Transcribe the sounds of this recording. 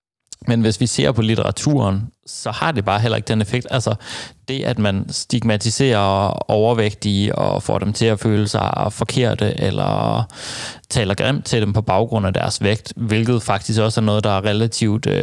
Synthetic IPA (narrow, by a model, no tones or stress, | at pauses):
menʋe̝sʋise̝̰ɐ̰pʰɒ̽lit͡sʰeʁɑ̈t͡sʰṵɐnsɒ̽hɑ̈d̥e̝b̥ɑ̈ːɦel̰ɐe̝ɡ̥̚d̥enefeɡ̥̚d̥ælsɐd̥e̝ʔæd̥mænsd̥iɡ̥mæt͡sʰise̝̰ːɐɒʊɐʋeɡ̥̚d̥iɒ̰fɒ̰ːdɾemt͡sʰe̝æføːləsɑ̈ɪfɒ̽kʰe̝ɐ̰d̥əʔelɐ̰ | t͡sʰɛ̰ːlɐɡ̥ʁɛm̰d̥̚t͡sʰe̝d̥empʰɒ̽b̥ɑ̈ʊɡ̥ʁɔ̽n̰æd̥æɐsʋeɡ̥̚d̥ʋe̝lɡ̥ð̞̩ˠfɑ̈ɡ̥̚d̥ʰis̬ɡ̥ɒ̽sæɐnɔ̽ːð̞̩ˠd̥ɑ̈æɐʁɛlæt͡sʰiʊd̥